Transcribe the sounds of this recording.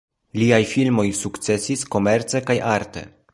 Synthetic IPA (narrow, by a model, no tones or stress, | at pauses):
liajfilmo̞jsukt͡se̞sisko̞me̞ɾt͡se̞kajaɾte̞̰